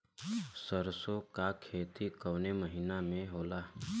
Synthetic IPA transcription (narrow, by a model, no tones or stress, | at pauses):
səɾsokakʰːeːt̪ikəːneməɦinamẽɦoːlaː